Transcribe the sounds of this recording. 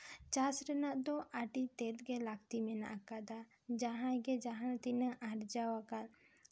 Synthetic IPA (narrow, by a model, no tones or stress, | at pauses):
t͡ʃasɾɛnaʔd̪ɔʔaʈit̪ɛt̪̚ɡɛlakt̪imɛna̰ʔkad̪a | d͡ʒaɦãɡɛd͡ʒaɦãt̪inaʔaɾd͡ʒawakal